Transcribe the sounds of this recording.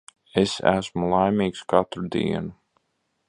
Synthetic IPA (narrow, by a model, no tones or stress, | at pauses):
esæ̰smulˠajmiːkskat̪ɾud̪ḭɛnu